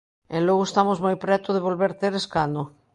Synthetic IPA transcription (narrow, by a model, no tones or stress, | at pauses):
eloɣoest̪amozmojpɾɛt̪oðeβ̞olβeɾt̪eɾeskano